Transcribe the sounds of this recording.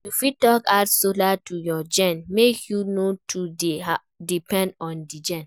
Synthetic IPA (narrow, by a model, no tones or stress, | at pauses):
jufitɔkaʊtsolatujɔd͡ʒɛ̃nmekjunotʰudea | dipɛ̃ndɔ̃ndid͡ʒɛ̃n